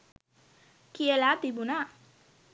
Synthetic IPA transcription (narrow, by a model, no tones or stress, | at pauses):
kielat̪ibuna